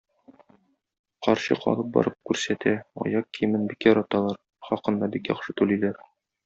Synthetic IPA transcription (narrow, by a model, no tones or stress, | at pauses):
qɒɾɕɤ̰qɒ̰lˠɤp̚bɒ̰ɾʔɤp̚kʉɾsæt̪æɒ̰jɑqkijɘ̆mɘnbikjɒɾɑt̪ɑlˠɑɾ | χɒqɤ̆nd̪ɑbikjɒ̰χʃɤt̪ʉlæjlæɾ